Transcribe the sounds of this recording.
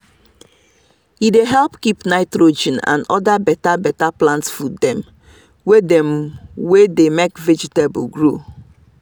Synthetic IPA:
hideɦɛlpkipnaɪtɾod͡ʒɛ̃nã̰nɔdabɛtabɛtaplãntsfudɛ̃m | wedɛ̃mwedemekvɛd͡ʒitebṵɡɹo

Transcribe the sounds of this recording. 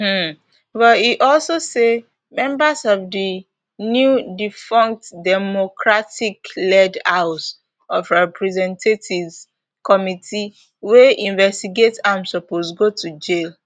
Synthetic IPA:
bɔiʔɔlsose | mɛ̃mbəsɔvdi | njudifɔ̃ŋk̚tdɛmokʰɹatiklɛdaʊs | ɔvɹɛpʰɹɛzɛ̃ntʰetivz | kɔmitʰi | weĩnvɛstiɡetãmsɔposɡotʰud͡ʒel

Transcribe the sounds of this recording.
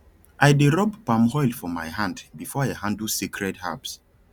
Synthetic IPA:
ʔajdeɹɔbpãmhɔjlfɔmajɦãndbifɔahãndusikʰɹɛtha̰bs

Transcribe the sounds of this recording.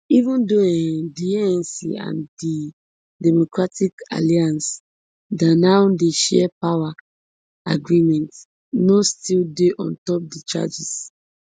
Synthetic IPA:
ivũndoɛdiɛɛ̃nsḭã̰ndi | dɛmokɹatika̰liãns | danaʊdeʃɛ̰pawa | aɡɹĩmɛ̃nt | nostildeʔɔ̰̃ntɔp̚dit͡ʃa̰d͡ʒis

